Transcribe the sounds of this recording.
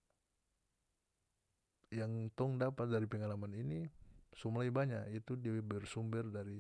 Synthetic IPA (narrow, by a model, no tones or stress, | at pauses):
jaŋt̪ɔŋdapat̪̚daɾipəŋalamaninisumlajbaɲaʔit̪udibərsumbərdaɾi